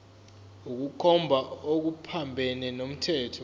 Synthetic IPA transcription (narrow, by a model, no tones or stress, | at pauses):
uk̬ukʰɔmbʱaok̬upʰambʱɛnɛnom̩tʰɛːtʰɔ